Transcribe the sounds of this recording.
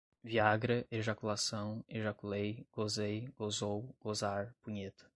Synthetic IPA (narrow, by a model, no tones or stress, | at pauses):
viaɡɾɐʔeʒakulasɐ̃w̃eʒakulejɡ̥ozejɡ̥ozowɡ̥ozaɾpũɲet̪ɐ̥